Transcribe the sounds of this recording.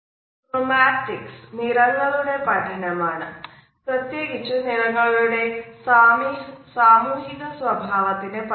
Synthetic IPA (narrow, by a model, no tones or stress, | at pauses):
t̪ɾomaːʈiksniɾɐŋɡɐluɽepɐʈʰinemaːɳɐ̰ | pɾət̪jeɡit͡ʃuniɾɐŋɡɐɭuɽesaːmisaːmuɦit̪ɐsʋɐbʱaːʋɐt̪inep